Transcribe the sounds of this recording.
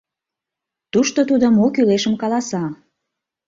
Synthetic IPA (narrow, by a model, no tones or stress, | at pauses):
t̪uʃt̪ot̪ud̪omokyleʃəmkɑlɑsɑ